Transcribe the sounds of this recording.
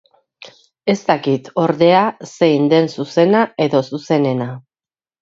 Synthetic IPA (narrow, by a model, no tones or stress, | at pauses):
e̞st̪akit̪o̞ɾðe̞ase̞ind̪e̞nsuse̞nae̞ðo̞suse̞ne̞na